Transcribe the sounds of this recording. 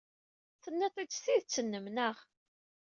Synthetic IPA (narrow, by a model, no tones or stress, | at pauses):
θənːæt̪ˤit͡sθiðt͡sːənːəmnəʁ